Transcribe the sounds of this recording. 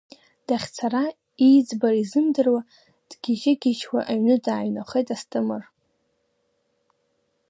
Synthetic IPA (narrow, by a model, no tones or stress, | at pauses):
d̥aχʲt͡sʰara | ijd͡zbarizɨmdɨrwa | d̥ɡʲiʒɪɡʲɪt͡ʃʰwʷa̰ʔaɥnɨdaːɥnaχejtʼastʼɨmɨr